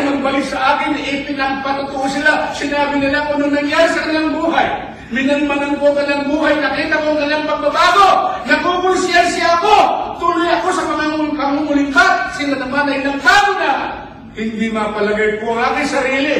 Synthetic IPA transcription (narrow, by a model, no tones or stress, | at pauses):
mɐɡ̚bɐlɪksɐʔaːkɪnɪʔiːpɪnɐɡ̚pɐt̪ʊt̪ʊʔosɪlasɪnaːbɪnɪlaŋɐnoŋnɐŋjaːɾɪsɐkɐnlaŋbuːɦaj | mɪnanmɐnonkokɐnaŋbuːɦajnɐkiːt̪ɐkoŋkɐnlaŋpɐɡ̚pɐbaːɡonɐkokʊnsjɛnsjaːkot̪ulʊjɐko̞sɐmɐŋaŋkɐŋumʊlɪkat̪̚sɪnɐnɐmanɐɪnɐŋt̪aːʔona | hɪnd̪imapɐlɐɡajkoɐŋaːkɪnsɐɾiːli